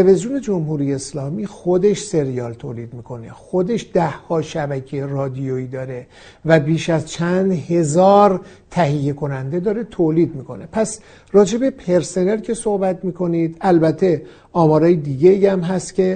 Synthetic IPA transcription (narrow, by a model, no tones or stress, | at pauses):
eevezijone̞d͡ʒomhuːɾijeːslɒːmiːxod̪e̞ʃse̞ɾijɒːlt̪ʰoːliːd̪miːkʰo̞nḛxod̪e̞ʃd̪æhhɒːʃæbæcʰerɒːd̪ijoiːd̪ɒːɾe̞ | væbiːʃæzt͡ʃʰænd̪he̞zɒːɾt̪ʰæɦijːe̞kʰo̞nænd̪e̞d̪ɒːɾe̞t̪ʰoːliːd̪miːkʰo̞̰nepʰæs | rɒːd͡ʒe̞be̞pʰe̞ɾse̞ne̞lcʰe̞so̞hbæt̪miːkʰo̞niːd̪ælbæt̪ʰːe̞ | ɒːmɒːɾɒːjed̪iːɟeiːæmɦæst̪cʲʰe̞